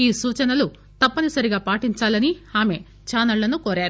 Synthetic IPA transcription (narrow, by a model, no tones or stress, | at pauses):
iːsuːt͡ʃɐnɐlu | t̪ɐpːɐnisɐɾiɡaːpaːʈiɲt͡ʃaːlɐniaːme̞ | t͡ʃaːnɐlːɐnukoːɾaːɾu